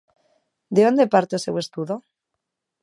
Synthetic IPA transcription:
d̪eond̪epaɾt̪esewest̪uðo

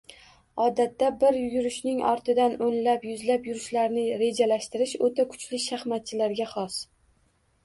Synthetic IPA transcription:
ɒd̪at̪ːabɪɾjʊɡʲʊɾɪʃnɪŋʔɒ̰ɾt̪ʰɪd̪anonlapjʊzlapjʊɾɪʃlaɾnɪɾe̞d͡ʒalaʃt̪ɪɾɪʃot̪ʰakʰʊ̥t͡ʃlɪʃaχmat̪̚t͡ʃʰɪlaɾɡʲaχɒs

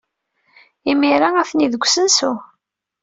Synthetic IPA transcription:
imiɾaæθniðəɡʷsənsʊ

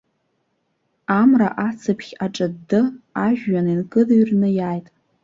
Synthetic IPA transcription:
amra̰ʔat͡sʰɨpʰχʲaʈ͡ʂʼadːɨaʒᶣːaninkʼɨdɥrnɨjaːjtʼ

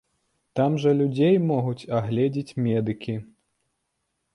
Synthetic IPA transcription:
t̪amʐɐlʲud͡zʲejmɔɣut͡sʲaɣlʲɛd͡zʲit͡sʲmʲɛd̪ɨkʲi

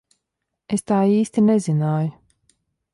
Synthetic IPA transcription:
est̪aːiːst̪inɛzinaːju

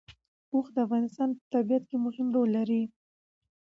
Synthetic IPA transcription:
oxd̪əafɣɑnɪst̪ɑnpə̥t̪abijat̪kemʊhɪmɾolːaɾi

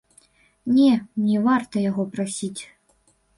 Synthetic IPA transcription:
nʲɛnʲɛvart̪ɐjaɣɔpɾɐsʲitʲ

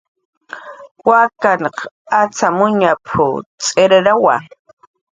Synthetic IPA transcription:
wakanq | at͡samʊɲapʰʊ̰t͡sʼeɾaɾawa̰

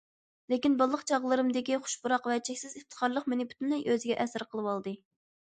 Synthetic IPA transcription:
lekʲinbɑlˠːəqt͡ʃʰɑʁlˠɨɾɨmd̪ɪkʲiχʊ̥ʃbuɾɑqvɛt͡ʃʰɛkʲsɪzɨft̪ʰə̥χɑɾlˠəqmenɪby̥t̪ʰynlɛjʔøzɪɡʲɛʔɛsɾqʰəlˠɨwɑlˠd̪ɨ

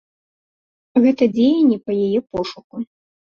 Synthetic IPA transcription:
ɣɛt̪ɐd͡zʲejɐnʲːɛpɐjajɛpɔʂuku

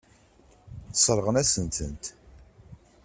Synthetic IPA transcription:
θə̥sˤɾˤəʁənæsənt̪ənt̪

